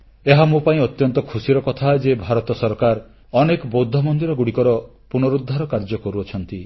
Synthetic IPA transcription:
eɦamũpaĩɔt̪jɔnt̪ɔkʰusiɾɔkɔt̪ʰaed͡ʒebʱaɾɔt̪ɔsɔɾkaɾ | ɔnekɔbowd̪ʱːɔmɔnd̪iɾɔɡuɽikɔɾɔ | punɔɾud̪ʱːaɾɔkaɾd͡ʒɔkɔɾuɔt͡ʃʰɔnt̪i

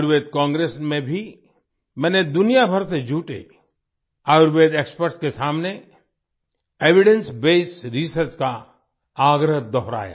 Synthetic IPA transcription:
ɾʋeːd̪̚kãːŋɡɾeːsmẽbʱi | mɛ̃ːned̪ʊnijabʱəɾsed͡ʒʱuːʈḛ | aːʊɾʋeːd̪eːkspəɾʈskesaːmne | eːʋɪɖə̃nsbeːsɾisəɾt͡ʃka | aːɡɾəɦd̪ɔɦɾa̰ːja̰ː

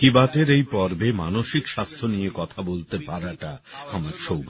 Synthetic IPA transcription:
kibat̪eɾejpɔɾbema̰noʃikʃast̪ʰonijekɔt̪ʰabolt̪epaɾaʈaamaɾʃowb

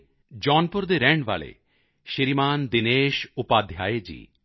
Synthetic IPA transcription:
d͡ʑɔnpoɾd̪eɾɛɳɖba̰lḛ | ʃiɾimand̪ineʃupad̪ʱjajed͡ʑḭ

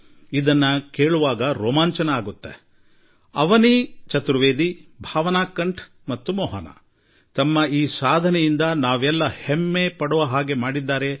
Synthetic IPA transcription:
id̪ɐnːɐkeːɭuʋaːɡɐɾɔːmaːɲt͡ʃɐnɐaːɡut̪ːe | ɐ̰ʋɐnit͡ʃɐt̪ɾuʋeːd̪ibʱaːʋɐnaːkːɐɳʈʰ | mɐt̪ːumɔːɦɐnɐ̰ | t̪ɐmːɐiːsaːd̪ʱɐnɛjind̪ɐnaːʋɛlːɐhemːepɐɽɔʋɐɦaːɡe̞maːɽid̪ːaːɾe̞

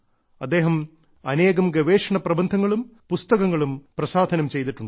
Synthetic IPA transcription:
ɐd̪ːeːɦɐm | ɐneːɣɐmɡɐʋeːʂɐɳɐprɐbɐnd̪ʱɐŋːɐɭumpust̪ɐɣɐŋːɐɭumprɐsaːd̪ʱɐnɐmt͡ɕe̞jt̪iʈːuɳɖ

